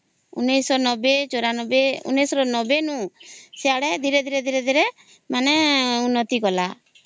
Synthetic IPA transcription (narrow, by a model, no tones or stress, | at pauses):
ṵnːijsɔnɔbet͡ʃoɾanɔbeṵnːisɔɾɔnɔbenũseaɽɛd̪ʱiɾed̪ʱiɾed̪ʱiɾed̪ʱiɾɛ | manɛunːɔt̪ikɔla